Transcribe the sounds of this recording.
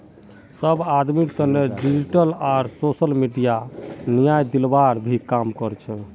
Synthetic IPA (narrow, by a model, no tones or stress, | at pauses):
səbad̪mikt̪ənːeɖid͡ʒiʈəlaɾsosəlmiɖijanijajd̪ilbaɾbʱikamkɔɾt͡ʃʰɛ